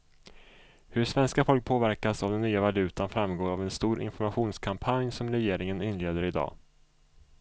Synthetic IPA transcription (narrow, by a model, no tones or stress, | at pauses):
hɵʂvɛnskafɔlk̚pʰoːvæɾkasavd̪ɛnːyːavalʉ̟ːt̪anfɾamɡoːɾavɛnst̪uːɾʔɪ̰nfɔɾmaɧuːnskʰampʰanjsɔmɾɛjeːɾɪŋənɪnleːd̪əɾɪd̪ɑ̰ː